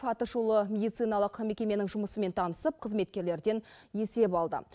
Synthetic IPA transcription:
fɑt̪əʃulˠəmʲe̞d̪ijt̪sɨjnɑlˠəqme̞kʲe̞me̞nɪŋʒʊməsəme̞nt̪ʰɑnəsəp̚qʰəzme̞t̪̚kʲe̞ɾle̞ɾd̪e̞nje̞se̞bɑlˠd̪ə̰

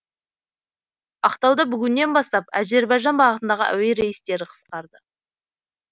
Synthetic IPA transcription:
ɑqt̪ɑwd̪əbʏɡʲɪnːe̞nbɑst̪ɑpæze̞ɾbɑjʒɑnbɑʁət̪ənd̪ɑʁə̰ʔæ̰we̞ɾe̞jɪst̪e̞ɾɪqʰə̥sqɑɾd̪ə

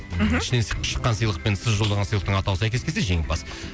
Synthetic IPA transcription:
ɪʃɪneseʃə̥qːɑnsəjlˠəq̚pe̞nsɪzʒo̞lˠd̪ɑʁɑnsəjlˠəqt̪əɴɑt̪ɑwəsæjkʲekʲʰeseʒe̞ŋɪp̚bɑs

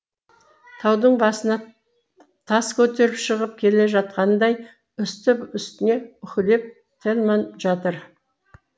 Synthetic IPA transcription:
t̪ʰɑwd̪əɴbɑsənɑ | t̪ʰɑskʲʰɵt̪e̞ɾɪpʃəʁəp̚kʲʰe̞le̞ʒɑt̪̚qɑnəd̪ɑj | ʏst̪ɪpʏst̪ɪne̞ʏkʲɪle̞p̚ | t̪ʰelmɑnʒɑt̪əɾ

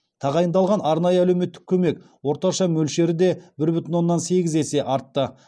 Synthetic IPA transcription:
t̪ʰɑʁɑjənd̪ɑlˠʁɑnɑɾnɑjəælewme̞t̪ːɪ̥kʲʰɵme̞k | wo̞ɾt̪ɑʃɑmɵlʃe̞ɾɪd̪e̞bɪɾbʏt̪ɪnwo̞nːɑnse̞ɡʲɪze̞se̞ʔɑɾt̪ːə

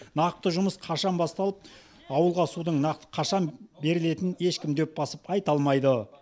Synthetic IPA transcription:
nɑqəp̚t̪əʒʊməsqʰɑʃɑnbɑst̪ɑlˠəp̚ | ɑwəlˠʁɑsud̪əɴnɑqt̪əqʰɑʃɑnbe̞ɾɪle̞t̪ɪne̞ʃkʲɪmd̪ep̚bɑsəpɑjt̪ɑlˠmɑjd̪ə

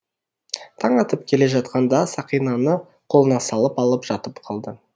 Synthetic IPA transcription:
t̪ʰɑɴɑt̪əpkʲʰe̞le̞ʒɑt̪qɑnd̪ɑsɑqijnɑnə | qʰo̞lˠənɑsɑlˠəpɑlˠəpʒ̥ɑt̪əpqʰɑlˠd̪ə

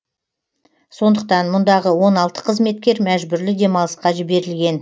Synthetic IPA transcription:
so̞nd̪əq̚t̪ɑnmʊnd̪ɑʁəwo̞nɑlˠt̪ə̥qʰəzme̞t̪̚kʲe̞ɾmæʒbʏɾlɪd̪e̞mɑlˠəsqɑʒɪbe̞ɾɪlɡʲe̞n

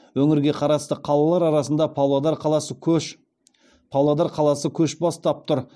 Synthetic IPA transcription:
wɵŋɪɾɡʲe̞qʰɑɾɑst̪əqʰɑlˠɑlˠɑɾɑɾɑsənd̪ɑpʰɑwlˠɑd̪ɑɾqʰɑlˠɑsəʃ | pʰɑwlˠɑd̪ɑɾqʰɑlˠɑsəkʲʰɵʃbɑst̪ɑp̚t̪ʊɾ

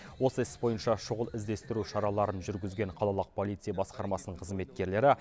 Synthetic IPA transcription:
wo̞səɪsbo̞jənʃɑʃʊʁəlˠɪzd̪e̞st̪ɪɾuʃɑɾɑlˠɑɾənʒʏɾɡʲɪzɡʲe̞ɴqʰɑlˠɑlˠəq̚pʰo̞lʲˠit̪sɨjɑbɑsqɑɾmɑsənəɴqʰəzme̞t̪kʲe̞ɾle̞ɾɪ

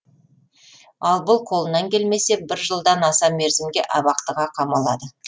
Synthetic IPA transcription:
ɑlˠbʊlˠqʰo̞lˠənɑŋkʲʰe̞lme̞se̞bɪɾʒəlˠd̪ɑnɑsɑme̞ɾzɪmɡʲe̞̰ʔɑβɑqt̪əʁɑqʰɑmɑlˠɑd̪ə

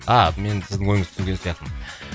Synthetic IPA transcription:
ɑme̞nsɪzd̪ɪŋwojɪŋəzʰʏŋɡʲe̞nsijɑq̚t̪əm

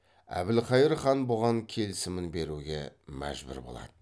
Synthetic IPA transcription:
æ̰bɪlqʰɑjɪɾχɑnboʁɑŋkʲʰe̞lsɪmɪnbe̞ɾuɡʲe̞mæ̰ʒbɪ̰ɾbo̞̰lˠɑ̰d̪̥ə

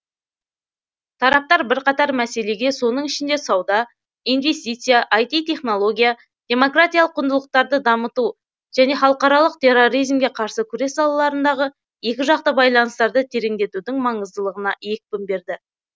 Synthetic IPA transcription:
t̪ʰɑɾɑp̚t̪ɑɾbɪɾqɑt̪ɑɾmæse̞le̞ɡʲe̞so̞nəɴɪʃɪnd̪e̞sɑwd̪ɑ | ijnve̞st̪it̪sɨjaʔːjt̪it̪ʰe̞χno̞lˠo̞ɡʲija | d̪̥ʲe̞mo̞krat̪ijɑlˠəqʰːʊnd̪əlˠəq̚t̪ɑɾd̪əd̪ɑmət̪u | ʒ̥æne̞χɑlˠəqɑɾɑlˠəq̚t̪ʰe̞ro̞ɾijzmɡʲe̞qʰɑɾsəkʲʰʏɾe̞sːɑlˠɑlˠɑɾənd̪ɑʁə | e̞kʲɪʒɑq̚t̪əbɑjlˠɑnəst̪ɑɾd̪ət̪ʰe̞ɾeŋd̪e̞t̪ud̪ɪŋmɑɴəzd̪əlˠəʁənɑe̞k̚ʲpɪmbe̞ɾd̪ɪ

